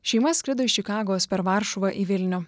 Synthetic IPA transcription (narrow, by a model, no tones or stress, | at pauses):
ʃʲɛɪmɐsʲkʲɾʲɪd̪oɪt͡ʃʲɪkɑːɡoːspʲɛɾʋɑːˑɾʃʊʋɐʔiʋʲɪlʲnʲʊ